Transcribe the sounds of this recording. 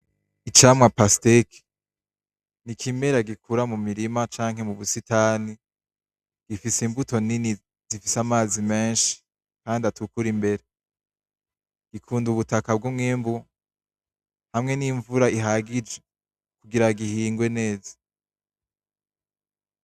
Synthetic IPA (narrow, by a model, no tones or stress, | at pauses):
it͡ʃamwapasteki̥ | nikʰime̞ɾaɡikʰuɾamumiɾimat͡ʃaːŋhe̞muβusitaːni | ɡ̥ifisimbuto̞nini | z̥ifisamaːzime̞ːnʃi̥ | kaːndiatukuɾimbe̞ɾe | ɡ̥ikʰuːnduβutakabɡumŋeːmbu | hamŋe̞niɱvuɾaiɦaɡid͡ʒe | kuɡiɾaɡihiːŋɡwe̞ne̞ːzḁ